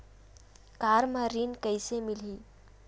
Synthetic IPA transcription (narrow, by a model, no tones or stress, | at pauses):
kaːɾmãɾinkəɪsemɪliː